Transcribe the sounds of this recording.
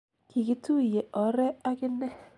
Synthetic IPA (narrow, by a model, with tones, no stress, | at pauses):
ki˨kɪ˦tu˦˨je˨ʔɔ˨ɾɛ˦a˦kɪ˦nɛ˦